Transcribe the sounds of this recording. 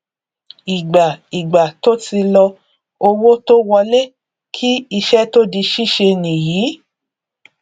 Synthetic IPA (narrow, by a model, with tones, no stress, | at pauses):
i˨ɡ͡ba˨i˨ɡ͡ba˨to˦ti˧lɔ˧ | o˧wo˦to˦wɔ˧le˦ | kʰi˦i˧ʃɛ˦to˦di˧ʃi˦ʃe˧nĩ˨jiː˨˦